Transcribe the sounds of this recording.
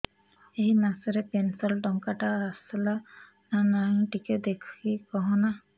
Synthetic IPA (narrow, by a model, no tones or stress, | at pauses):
ejnasɔɾɛpɛnsɛldɔŋkaʈaasɛla | nanaŋʈikɛd̪ekʰikɔɦɔ̃na